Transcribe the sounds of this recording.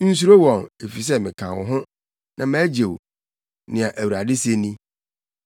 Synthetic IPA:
n̩˦s̬u˦ɾo˦wɔ̃˨ŋe˨fi˨s̬ɛ˦mɪ̃˨kʰã˨wɔ̰˨ɦʊ̃˦ | nã˨mæː˦d͡ʑe˨w | nɪ̃˨a˨ʔæ˨wu˨ɾa˨dɪ˦se˦nĩ˦

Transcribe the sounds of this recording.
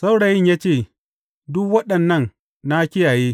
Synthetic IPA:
sa˦wɽa˨jɪ˦ɲjaː˦t͡ʃeː˦˨ | dʊ˦k̚wɐ˦ɗɐ˨nːɐ˦˨n | na˦kʲɪ˦jaː˨jeː˦

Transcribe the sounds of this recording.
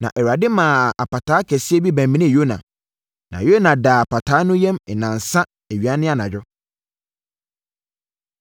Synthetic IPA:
nã̰˨ʔɛ˨wa˨dɪ˦mã˨a˨pa˨tʰaː˦kʰɛ˨sɪ˦ɛ˦bi˦bæ̃˨m˨mĩ˦nɪ̃˦˨jo˦nã̰˨ | nã̰˨jo˦nã˨da˨a˨pʰa˨tʰaː˨˦nʊ̃˦jɛ̃˦mɛ˨nã˨n˨sã˦ | e˨ɥi˨a˦nɪ̃˦a˦nã˨d͡ʑᶣɔ˦

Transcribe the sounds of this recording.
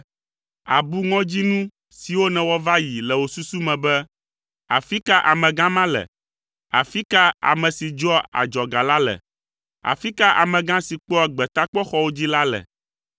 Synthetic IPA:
a˨bu˦ŋɔ̃˦d͡ʑi˦nũ˦ | si˨wo˦nɛ̃˨wɔ˦va˦ji˨lɛ˨wo˨su˦su˦mɛ̃˨bɛ˦ | a̰˨fi˦ka˦ʔa˨mɛ̃˨ɡã˦mã˦lɛ̰˨ | a̰˨fi˦ka˦a̰˨mɛ̃˨si˨d͡ʒɔ˦a̰˨d͡ʒɔ˨ɡa˨la˦lɛ̰˨ | a̰˨fi˦ka˦ʔa̰˨mɛ̃˨ɡã˦si˨k͡pɔ˦ɛ˨ɡ͡bɛ˨t̪a˦k͡pɔ˦xɔ˦wo˦d͡ʑi˦la˦lɛ̰˨

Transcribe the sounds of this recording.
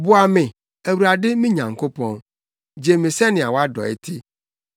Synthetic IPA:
bʊ˦a˨mɪ̃˨ | æ˨wu˨ɾa˨dɪ˦mɪ̃˦ɲã˨ŋkʰo˦pʰɔ̃˦n | d͡ʑe˨mɪ̃˨sɛ˦nɪ̃˨a˨wa˦dɔ̰˨ḛ˦tʰɪ˦

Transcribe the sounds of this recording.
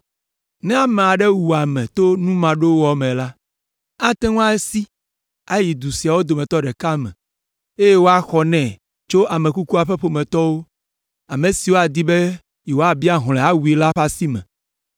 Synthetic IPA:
nɛ̃˦a˨mɛ̃˨a˨ɖɛ˦wu˨a˨mɛ̃˨t̪o˦nũ˦mã˨ɖo˦wɔ˨˦mɛ̃˨la˦ | a˦t̪ɛ̃˦ŋõ˦a˦e˦si˦ | a˦ji˨d̪u˨si˨a˨wo˦d̪o˨mɛ̃˨t̪ɔ˦ɖɛ˨ka˦mɛ̰̃˨ | e˦je˦wo˦a˨xɔ˨nɛ̃˨ | t͡ʃo˦a˨mɛ̃˨ku˦ku˦a˨ɸɛ˦ɸo˦mɛ̃˨t̪ɔ˦wo˦ | a˨mẽ˨si˨wo˦a˨d̪i˦bɛ˦ | jɛ˨wo˦a˨bi˦a˦ɦl̃ɛ̃˨a˦wu˨i˨la˦ɸa˦si˦mɛ̰̃˨

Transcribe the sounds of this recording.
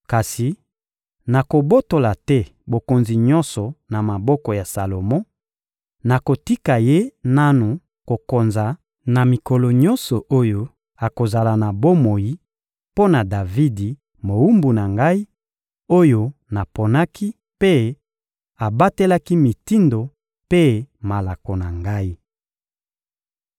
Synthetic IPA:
ka˨si˨ | na˨ko˨bo˦to˨la˨tɛ˦bo˨ko˨nzi˨ɲɔ̃˦nsɔ˨na˨ma˨bɔ˦kɔ˨ja˨sa˨lo˨mɔ̃˦ | na˨ko˨ti˦ka˨je˦na˦nu˨ | ko˨ko˨nza˨ | na˨mi˨kɔ˨lɔ˨ɲɔ̃˦nsɔ˨ʔo˦jo˦ | a˨ko˨za˨la˨na˨bo˦mo˨ji˦ | po˦na˨da˨vi˦di˨ | mo˨wu˦mbu˨na˨ŋɡa˦i˦ | o˦jo˦na˨po˨na˦ki˦ | pe˦ | a˨ba˦te˦la˦ki˦mi˨ti˦ndo˨ | pe˦ma˨la˨ko˨na˨ŋɡa˦i˦

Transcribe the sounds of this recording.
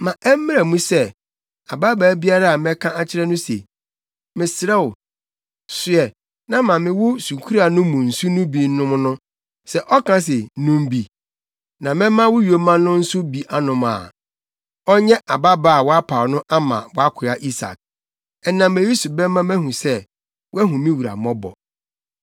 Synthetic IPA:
mã˨ʔɛ˦m˦mɪ̃˦ɾɛ˨mũ˦sɛ˦ | a̰˨ba˦ba˨˦bi˦a˦ɾa˦a˨mɛ̃˦kʰã˦a˦t͡ɕʰɪ˦ɾɛ˦nʊ̃˦sḛ˨ | mɪ̃˨sɪ˨ɾɛ˦w | sʊ˨ɛ˨ | nã˦mã˨mɪ̃˨wʊ˦su˨kʰu˦ɾa˨nʊ̃˦mʊ̃˨n̩˨su˦nʊ̃˦bi˨˦nʊ̃˦m˦nʊ̃˦ | sɛ˨ʔɔ˦kʰã˦s̬ɪ˨nũ˦m˦bi˨ | nã˨mɛ̃˦mã˦wʊ˦ɥo˨mã˦nːʊ̃˦n̩˦sʊ˦bi˨ʔa˦nʊ̃˨ma̰ː˨ | ɔ˦ɲɛ̃˦ʔa˨ba˦ba˦˨a˨wɔ˦a˦pʰa˨nʊ̃˦ʔa˦mã̰˨wɔ˦a˦kʰʊ˨a˦ʔi˦sa̰˨k̚ | ɛ˨nã˨mẽ˨ji˦su˨bɛ˦mã˦mɛ̃˦hũ˨sɛ˦ | wɛ˦ɦũ˨mɪ̃˦wu˨ɾa̰˨mɔ̃˦bɔ̰˨

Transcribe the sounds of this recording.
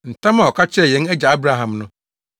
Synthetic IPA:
n̩˨tʰã˦mã˨ɔ˨kʰa˦t͡ɕʰɪ˦ɛ˦˨jɛ̃˨˦nɛ˦d͡ʑa˨a˦bɾa˦ɦã˨mnʊ̃˦

